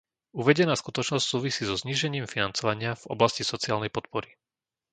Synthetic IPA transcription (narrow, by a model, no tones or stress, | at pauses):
uʋɛɟɛnaːskut̪ɔt͡ʃnɔscsuːʋisiːzɔzɲiːʒɛɲiːmfinant͡sɔʋaɲɪavɔ̰blascisɔt͡siaːlnɛjpɔt̪̚pɔɾi